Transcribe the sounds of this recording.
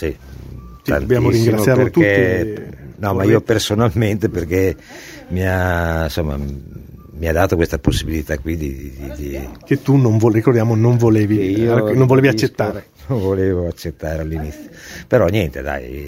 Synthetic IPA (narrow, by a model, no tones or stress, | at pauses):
sit̪a̰nbjaːmoɾiŋɡɾɾat̪ssjaɾerkt̪ue | nɔmaiːoppersonalment̪eperke | miansomːa̰ | miad̪aːt̪okwest̪aposːibilit̪akwid̪id̪id̪id̪iket̪ːunoɱvorikord̪jaːmonoɱvoleːviinõɱvoleːviat͡ʃːet̪ːaːɾenoɱvoleːvoat͡ʃːet̪ːaːɾealːinit̪sːjopeɾɔnjɛnt̪ed̪a̰j